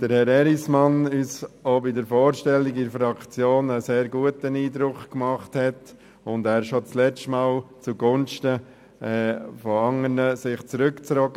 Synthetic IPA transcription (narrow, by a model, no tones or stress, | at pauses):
d̥əɾhɛɾɛɾismɑnyːsobɪdəɾfɔːɾʃtɛliɡɪɾəfɾɑkt͡sjoːnəseːɾɡuətəniːdɾʊkkmɑχthɛt | ʊndæːɾʃot͡slɛt͡stmaːlt͡suɡʊnʃtə | ɛːfɔɑŋəɾnəsɪχt͡sɾʏkt͡sɾɔɡə